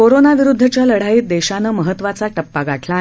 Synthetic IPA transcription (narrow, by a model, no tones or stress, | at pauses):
koɾonaʋiɾud̪ʱːət͡ɕjaləɽ̤aiːt̪̚d̪eɕanəməɦət̪ʋat͡saʈəpːaɡʱaʈʰla